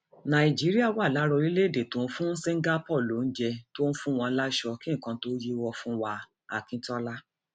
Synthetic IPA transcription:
nã˨i˨d͡ʒi˨˦ɾi˦a˦˨wa˦˨la˨˦ɾɔ˧li˦le˦˨de˨tõ˨n̩˦fũ˦se˦ŋ̩˦ɡa˦pɔ˦˨lo˨n̩˦d͡ʒɛ˧to˦n̩˦fũ˦w̃ɔ̃˧˦la˦ʃɔ˧kĩ˦˨kã˧to˦ji˦wɔ˧fũ˦wa˧ | a˨kĩ˨˦tɔ˦la˦

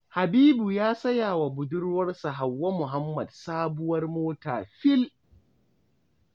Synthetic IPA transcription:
ha˨biː˦bu˨jaː˦sɐ˦jaː˨wa˨bʊ˨dʊ˦rwɐ˦rsa˨ɦa˨wːɐ˦mʊ˨ɦa˦mːɐ˨dsaː˦bʊ˦wɐ˦rmoː˦ta̰ː˨ɸɪ˦l

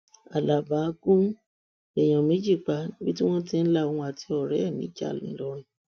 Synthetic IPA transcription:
a˨la˨ba˨˦kũ˦ | ɛ˨j̃ã˨mĩ˨˦d͡ʒi˦˨k͡pa˧nĩ˦bi˦tĩ˦w̃ɔ̃˦ti˧n̩˦la˦˨ũ˧˦a˨ti˧˦ɔ˦˨ɾɛ˦ɛ˦˨mĩ˨˦d͡ʒa̰˦˨lḭ̃˨˦lɔ˦ɛ˨

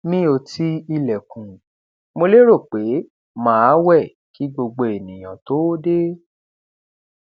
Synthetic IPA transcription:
mĩ˦o˧ti˦i˧lɛ˨kũ˨ | mo˧le˦ɾo˦˨k͡pe˨˦ | mãː˦a˦wɛ˦˨ | ki˨˦ɡ͡bo˧ɡ͡bo˧˨e˨nĩ˨j̃ã˨to˨˦de˦

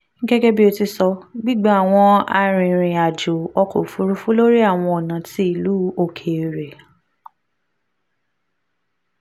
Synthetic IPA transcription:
ŋ̩˦ɡɛ˦ɡɛ˦bi˦o˧ti˧sɔ˧ɡ͡bi˦ɡ͡ba˦a˦˨w̃ɔ̃˧a̰˧ɾ̃ĩ˨ɾ̃ĩ˨a˨d͡ʒo˨ɔ˧ko̰˨fu˨˦ɾu˦fu˦lo˦ɾi˦a˦˨w̃ɔ̃˧ɔ˨nã˨ti˦i˦˨lu˨˦o˦˨kʰe˧˨ɾe˨

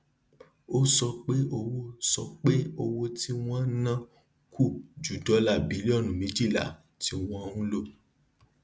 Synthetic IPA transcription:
o˦sɔ˧k͡pe˦o˧wo˦sɔ˧k͡pe˦o˧wo˧ti˦w̃ɔ̃˦nã˦ | kʰu˦˨d͡ʒu˨dɔ˨˦la˦˨bi˨˦li˦ɔ˦˨nũ˨mĩ˨˦d͡ʒi˦˨la̰˨ | ti˧w̃ɔ̃˦˧ũ˦lo˦˨

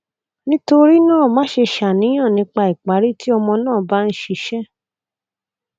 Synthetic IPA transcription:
nĩ˦to˧ɾi˦nãː˦˨mãː˨˦ʃe˧ʃa˨nĩ˨˦j̃ã˦˨nĩ˨˧˦k͡pa˧i˨k͡pa˨˦ɾi˦ti˦ɔ˧mɔ̃˧nãː˦˨ba˦n̩˦ʃi˧ʃɛ˦

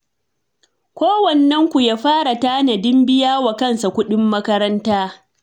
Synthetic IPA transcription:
kʷoː˦wɐ˨nːɐ˦ŋkʷu˨jaː˦ɸaː˦ɽa˨taː˦nɐ˨dɪ˦mbɪ˦jaː˦wa˨kɐ˦˨nsa˨kʷʊ˦ɗɪ˦mːɐ˦kɐ˦ɾɐ˦ntaː˦

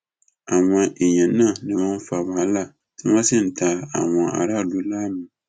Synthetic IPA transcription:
a˨maː˨˦ʔi˨ɲɛ˨na˦˨nɨ˨ma˦n˦fa˨maː˨la˦˨ | tɨ˦ma˦sɪ˦n̩˨taː˨a̰˨ma˨ʔa̰˨ɾa˦˨lu˨˦laː˦mi˨

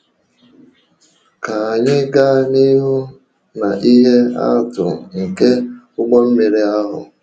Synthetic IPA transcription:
ka˨a˨ɲɪ˦ɡa˦ni˦ɦʊ˦ | na˨ʔi˦ɦe˦a̰˦tʊ̰˨ŋ̩˨ke˦ | ʊ˦ɡ͡bɔ˦m̩˦me˨ɾi˦a˦ɦʊ̰˨

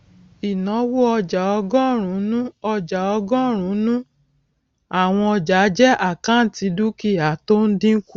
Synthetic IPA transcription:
i˨nɔ̃˨˦wo˦ɔ˧d͡ʒa˨ɔ˧ɡɔ̃˦˨ɾ̃ũ˨˦nũ˦ɔ˧d͡ʒa˨ɔ˧ɡɔ̃˦ɾ̃ũ˨˦nũ˦ | a˨w̃ɔ̃˧ɔ˧d͡ʒa˨˦d͡ʒɛ˦ʔa˦˨kã˦n̩˨ti˧˦du˦ki˦˨a˨to˦n̩˦dĩ˦ŋ̩˦ku˦

